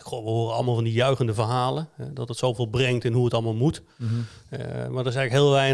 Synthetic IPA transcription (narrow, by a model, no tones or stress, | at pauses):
khoʋəhoːrənɑ̰lˠmaːlˠvɔndijœɥɣəndəvərɦaːlˠəhɛdɔtdətsowvɪːlˠbrɛŋtɪnɦuətɑlˠmalˠmut | mardərɪs̬ɛɣləkɦɪəlˠʋɛjn